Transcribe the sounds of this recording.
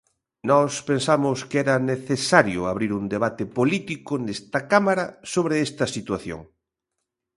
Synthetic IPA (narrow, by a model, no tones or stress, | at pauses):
nɔspensamʊskɛɾɐneθesaɾjʊaβɾiɾund̪eβ̞at̪ɪpolit̪ikʊnest̪ɐkamaɾɐsoβɾeɛst̪ɐsit̪waθjo̰ŋ